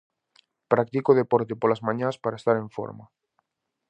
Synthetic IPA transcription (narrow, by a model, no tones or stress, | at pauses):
pɾak̚t̪ikoð̞epɔɾt̪epolazmãɲãspaɾaest̪aɾẽɱfo̰ɾma